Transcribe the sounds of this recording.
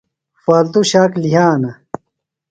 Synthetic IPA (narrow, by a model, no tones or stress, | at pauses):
faːlt̪uɕaːkliɦaːnɐ